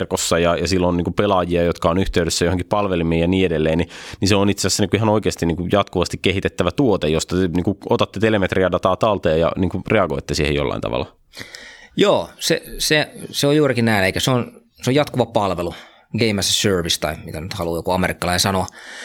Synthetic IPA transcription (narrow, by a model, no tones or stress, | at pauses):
rkosːɑjɑjɑsilːonniːkupelɑjiɑjot̪kɑonyht̪eyɾesːæjoheŋkippɑlʋelimiːjɑniːedelːeːniniseonit̪sesæsːæniŋkuihɑnoikeːst̪iniːŋkujɑt̪kuʋɑst̪ikkehit̪et̪ːæʋæt̪uot̪ejost̪ɑt̪eniːŋkuot̪ɑt̪ːet̪elemet̪riædɑt̪ɑːt̪ɑlt̪eɑjɑ̰niːŋkureɑɡoit̪ːesiːhḛjo̰lːɑ̰ḭnt̪ɑ̰ʋɑ̰lːɑ̰ | joːsḛseseojuːrikinæineikæseon | seojɑt̪kuʋɑpɑlʋelu | ɡ̥eimæsesørʋist̪ɑimit̪ænyt̪hɑluːjokuɑmerikːɑlɑinsɑnoɑ